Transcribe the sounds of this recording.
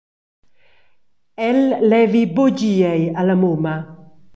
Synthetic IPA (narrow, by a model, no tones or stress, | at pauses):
ɛlːɛvibod͡ʒiɛjalamoma